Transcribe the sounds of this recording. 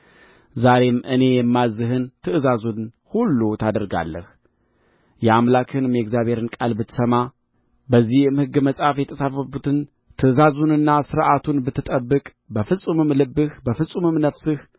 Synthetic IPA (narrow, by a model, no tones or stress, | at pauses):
zaɾe̞mʔɨne̞jɛmːazɨɦɨnt̪ʰɨʔɨzazun | hulːut̪ʰad̪əɾɡa̰lːə̰h | jɛamlakʰɨnmeɡzjaβe̞ɾɨnkʼalbɨt̪ʰːɨsəma | bəzːihɨmhɨɡːɨməsʼafjɛt̪ʰəsafəbut̪ʰɨn | t̪ʰɨʔɨzazunɨnːasɨɾʔat̪ʰunbɨt̪ʰːɨt̪ʼəbːɨkʼ | bəfɨsʼumɨmlɨbːɨhbəfɨsʼumɨmnəfsɨh